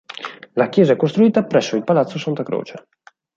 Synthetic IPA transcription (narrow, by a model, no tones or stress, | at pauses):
lakjɛːzaɛkːost̪ɾuiːt̪apɾɛsːoilpalat̪sːosant̪akɾo̰ːt͡ʃe